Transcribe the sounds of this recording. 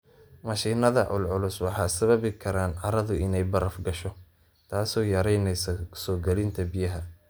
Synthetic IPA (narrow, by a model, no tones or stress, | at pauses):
mɐʃiːnɐðɐʔʊ̰lʕʊlʊswɑħɑːsɐβɐβɪkʰɐɾaːnʕɑɾɐðʊɪnɛjbɐɾɐfɡɐʃɔ | t̪ʰaːsɔːjɐɾɛjnɛjsɐsɔːɡɛlɪnt̪ʰɐbijɐɦɐ